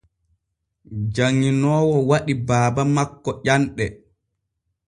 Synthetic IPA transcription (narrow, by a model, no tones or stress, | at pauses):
d͡ʒaŋːinɔːwɔwaɗibaːbamakːɔʔanɗɛ